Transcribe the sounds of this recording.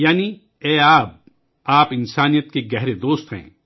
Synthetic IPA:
jaːni | ɛːaːp̚ | aːpɪnsaːnijət̪̚keɡɛɦɾed̪oːst̪ɦɛ̰̃ː

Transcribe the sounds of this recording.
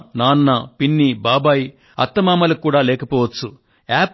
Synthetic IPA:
naːnːɐpinːibaːbaːji | ɐ̰t̪ːɐmaːmɐlukːuːɽaːlɛːkɐpɔːʋɐt͡ʃːu | aːp

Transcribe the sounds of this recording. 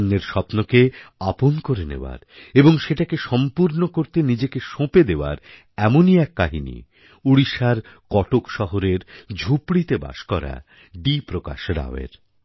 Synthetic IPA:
nːeɾʃɔpnokeaponkoɾenḛoa̰ɾeboŋʃeʈakeʃɔmpuɾnokoɾt̪enid͡ʑekeʃõped̪eoa̰ɾ | ɛmoniɛkːaɦinḭ | uɽiʃaɾkɔʈokʃɔɦoɾeɾd͡ʑʱupɽit̪eba̰ʃkɔɾa̰ | ɖipɾoka̰ʃɾa̰oḛɾ

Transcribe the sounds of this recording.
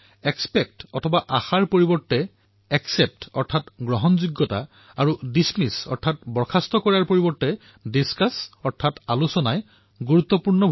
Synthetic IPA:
ɛkspɛk̚tɔtʰɔbaʔaxaɹpoɹibɔɹtːɛ | ɛksɛp̚tɔ̰ɹtʰatɡɹɔɦɔnzuɡːɔta̰ | aɹudismisɔ̰ɹtʰatbɔɹkʰastɔkɔɹaɹpoɹibɔɹtːɛ | diskasɔɹtʰatalusɔnaj | ɡuɹut̪ːɔpuɹnɔbʱ

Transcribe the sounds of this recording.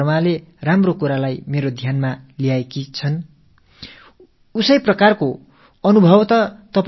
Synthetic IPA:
maleramrokuɾalajmeɾod̪ʱjanmalijaekit͡sʰʌn | usʌjprʌkarko | ʌnubʱʌbt̪ʌt̪ʌp

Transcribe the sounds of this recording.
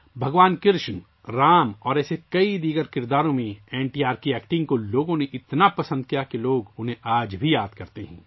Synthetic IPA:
bʱɐɡʋaːnkɪɾʃn | ɾaːmɔːɾɛːsekɐid̪iːɡəɾkɪɾd̪aːɾõmẽɛːɳʈiːaːɾkiɛːkʈɪ̃ŋɡ̚koloːɡõneʔɪt̪napɐsə̃nd̪̚kijakeloːɡʊnɦẽʔaːd͡ʒbʱijaːd̪kɐɾt̪eɦɛ̰̃ː

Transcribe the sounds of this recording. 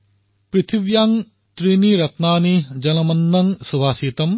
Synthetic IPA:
pɾit̪ʰibjaŋ | t̪ɾiniɾɐt̪naːnid͡ʒɐnɐmɐnːɐŋsubʱaːsiːt̪ɐm

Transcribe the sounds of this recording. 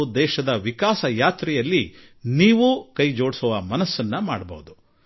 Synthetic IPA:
ud̪ɛːʃɐd̪ɐʋikaːsɐjaːt̪ɾɛjɐlːi | niːʋukɐjd͡ʒo̞ːɽsɔʋɐmɐnɐsːɐnːɐmaːɽɐbɐ̰ɦud̪u

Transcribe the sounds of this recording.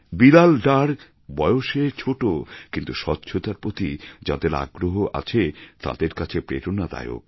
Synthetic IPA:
bilalɖaɾk | bɔeoʃet͡ɕʰoʈokint̪uʃɔtːɕʰot̪aɾpɾot̪id͡ʑa̰d̪eɾa̰ɡɾoɦoʔa̰t͡ɕʰet̪a̰d̪eɾkat͡ɕʰepɾeʈonad̪a̰jo̰k̚

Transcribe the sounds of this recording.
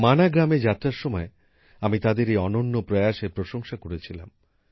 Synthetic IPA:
manaɡɾamed͡ʑat̪ːɾaɾʃɔmɔe | amit̪ad̪eɾejɔnonːopɾɔjaʃepɾoʃoŋʃakoɾet͡ɕʰila̰m

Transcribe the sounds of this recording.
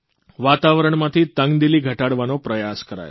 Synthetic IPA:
ʋat̪aʋɾəɳmãt̪ʰit̪əŋɡd̪iliɡʱəʈaɽʋanopɾəjaskəɾa̰jo̰

